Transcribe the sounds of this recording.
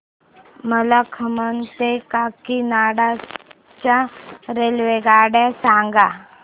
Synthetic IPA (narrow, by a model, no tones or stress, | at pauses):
məlakʰəmənt̪ekakinaɽa | t͡ɕaɾelʋeɡaɽjasãŋɡa